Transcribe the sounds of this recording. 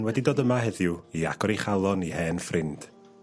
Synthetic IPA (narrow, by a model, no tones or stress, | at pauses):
nwɛdidoːdəmaɦɛðjʊia̰ɡ̥ɔɾiχalˠɔnihɛːnfrɪnd̥